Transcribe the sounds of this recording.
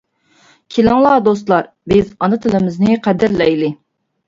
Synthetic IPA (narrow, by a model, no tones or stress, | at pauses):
kʲʰilɪŋlˠɑːd̪ost̪lˠɑɾ | bɪzɑnɨt̪ʰɪlɪmɪznɪqʰæd̪ɪɾlɛjlɪ